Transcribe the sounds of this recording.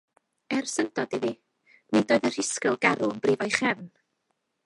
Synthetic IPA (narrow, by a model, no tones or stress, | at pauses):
ɛrsəndɔdiðiː | nedoːɨðər̥ɪskəlˠɡaɾʊənbriːvɔjχɛvn